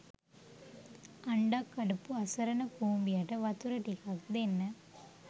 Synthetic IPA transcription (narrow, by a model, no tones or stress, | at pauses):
ɐɳɖaːkːɐɽɯpːɯɐsɐɾɐnɐpuːmbɪjaʈːɐʋɐt̪uɾɐʈːikakd̪ɐɛnːɐ